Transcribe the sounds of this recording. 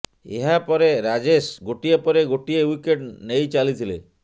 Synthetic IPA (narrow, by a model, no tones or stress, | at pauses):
ḛɦapɔɾeɾad͡ʒesɡoʈiepɔɾeɡoʈiewikeʈnejt͡ʃalit̪ʰile